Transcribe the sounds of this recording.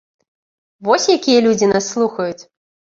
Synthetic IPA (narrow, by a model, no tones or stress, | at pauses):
vɔsʲjakʲijɐlʲud͡zʲinasːlˠuxɐjut͡sʲ